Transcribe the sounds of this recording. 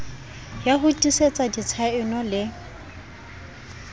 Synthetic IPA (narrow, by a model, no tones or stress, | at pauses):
jaɦʊtʼiset͡sʼadit͡sʰaɪnɔlɪ